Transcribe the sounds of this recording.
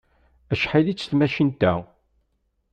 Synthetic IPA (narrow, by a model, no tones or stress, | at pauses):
æʃħilit͡sːθmæʃint̪æ